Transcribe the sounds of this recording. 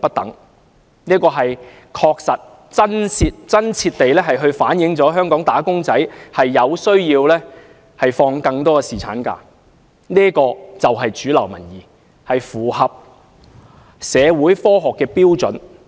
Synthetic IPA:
pɐ˥t̚t̪ɐ̰˨˥ŋ | niː˥kɔː˧ɦɐ˨j | kʰɔː˧k̚sɐ˨t̚ | t͡sɐ˥nsiː˧t̚t͡sɐ˥nt͡sʰiː˧t̚t̪e˨jlɛː˥ɦɐ˨jɦɵ˧ɥfaː˨˥njɪ˨˥ŋt͡sɔː˨˥ɦœː˥ŋkɔː˨˥ŋt̪aː˨˥kʊ˥ŋt͡sɐ˨˥jhɐ˨jːɐ˨˧wsɵ˥ɥjiː˧wlɛː˥ | hɐ˨jfɔː˧ŋkɐ˧ŋt̪ɔː˥kɛ˧siː˨˩t͡sʰa̰ː˨˥nka̰ː˧ | niː˥kɔː˧t͡sɐ˨wɦɐ˨jt͡ʃyː˨˥lɐ˨˩wmɐ̰˨˩njiː˨˩ | hɐ˨jfuː˨˩hɐ˨p̚ | sɛː˨˧wuː˨˥jfɔː˥ɦɔː˨kːɛː˧piː˥wt͡sɵ˨˥n

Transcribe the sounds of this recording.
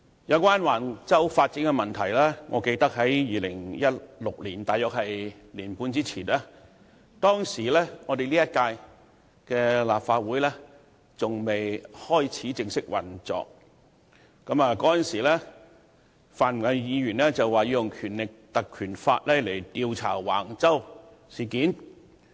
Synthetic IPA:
jɐ˨˧wkʷaː˥nwaː˨˩nt͡sɐ˥wfaː˧t̚t͡siː˨˥nkɛ˧mɐ˨˩nt̪ʰɐ˨˩jlɛː˥ŋɔ̰ː˨˧ke˧jt̪ɐ˥k̚ɦɐ˨˥jjiː˨˧lɪ˨˩ŋjɐ˥t̚lʊ˨k̚liː˨˩nt̪aː˨jœː˨k̚hɐ˨j | liː˨˩npuː˧nt͡siː˥t͡sʰiː˨˩naː˥ | t̪ɔː˥ŋsiː˨˩lɛː˥ŋɔː˨˧d̪e˨jliː˥jɐ˥t̚kaː˧j | kɛː˧la̰ː˨p̚faː˧t̚wuː˨˥jlɛː˥ | t͡sʊ˨ŋme˨jhɔː˥jt͡sʰiː˨˥t͡sɪ˧ŋsɪ˥k̚wɐ˨˩nt͡sɔ̰ː˨k̚ː | ɐ˨˥maː˨˧kɔː˨˦˥jɐ˨nsiː˨˩lɛː˥ | faː˨nm˨˩a˨˧jiː˨˧jyː˨˩nlɛː˥t͡sɐ˨wːaː˨jiː˧jʊ˨ŋkʰyː˨˩nlɪ˨k̚t̪ɐ˨kʰːyː˨˩nfa̰ː˧t̚lɛː˥le˨˩jt̪iː˧wt͡sʰa̰ː˨˩wa̰ː˨˩ŋt͡sɐ˥w | siː˨˩kiː˨˥n

